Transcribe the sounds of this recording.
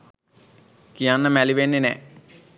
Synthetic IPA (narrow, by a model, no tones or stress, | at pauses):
kijanːəmæliʋenːenɛ̰